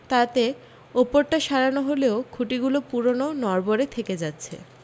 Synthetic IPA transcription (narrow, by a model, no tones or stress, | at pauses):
t̪at̪e | opoɾʈaʃaɾanoɦoleokʰuʈiɡulopuɾononɔɾboɾet̪ʰeked͡ʑatːɕʰḛ